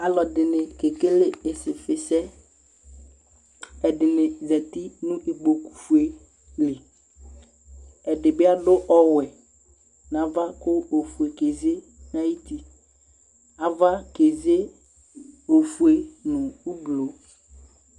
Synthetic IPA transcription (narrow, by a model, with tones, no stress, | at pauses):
a˨lɔ˨dɪ˨nɪ̃˨ke˨kɪ˦lɪ˦ɪ˨sɪ˨fɪ˨sɛ˦ | ɛ˨dɪ˨nɪ̃˨zɛ˨ti˦nũ˦ʔe˨ɡ͡bo˨ku̥˨fu˨e˨ | lɪ˨ | ɛ˨dɪ˨bɪ˦a˦dʊ˦ʔɔ˦wɛ˨ | nã˨va˦kʊ˦o˨fu˨e˨ke˨ze˦ | nã˦ji˦t̪i˦ | a˨va˦ke˨ze˦ | o˨fu˨e˨nʊ̃˨u˦blo˨˦